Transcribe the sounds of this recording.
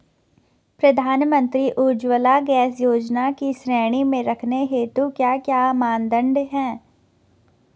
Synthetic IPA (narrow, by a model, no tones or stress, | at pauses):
pɾɐd̪ʱaːnmə̃nt̪ɾiʔuːd͡ʒwəlaɡɛːsjoːd͡ʒnakisɾɛːɽ̃imẽɾɐkʰneɦeːt̪ukjaːkjaːmãːnd̪ə̃ɳɖɦɛ̃ː